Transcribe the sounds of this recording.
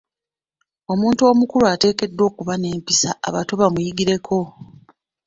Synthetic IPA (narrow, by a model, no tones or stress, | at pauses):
o̞muːntuo̞ːmukuluate̞ːke̞dːo̞ːkuβane̞ːmpisaa̰βato̞βamujiɡiɾe̞kʰo̞